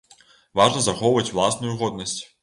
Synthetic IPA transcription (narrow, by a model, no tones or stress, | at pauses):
vaʐnəzɐxɔvəvətʲvlˠasnʊjʊɣɔd̪nəsʲtʲ